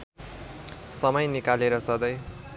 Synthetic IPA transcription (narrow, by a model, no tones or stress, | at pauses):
sʌmʌjnikaleɾʌsʌd̪ʌj